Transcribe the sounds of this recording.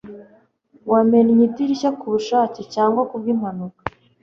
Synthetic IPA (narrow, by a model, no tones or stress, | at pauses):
wameɾɲidiɾiçakuβuʃaːcicaːŋɡwakub̚ɡimanukḁ